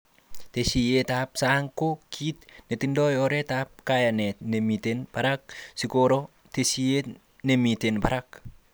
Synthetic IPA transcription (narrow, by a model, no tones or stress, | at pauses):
t̪esijet̪ap̚saŋkokʰit̪net̪indojɔɾet̪ap̚kajanetnemit̪enbaɾak̚sikoɾo | t̪esie | nemit̪enbaɾak̚